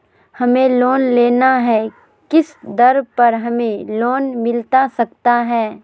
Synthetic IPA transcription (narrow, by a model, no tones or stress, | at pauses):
hɐmẽloːnleːnaɦɛ | kɪsd̪ɐɾpɐɾɦɐmẽloːnmɪlt̪asɐkt̪aɦɛː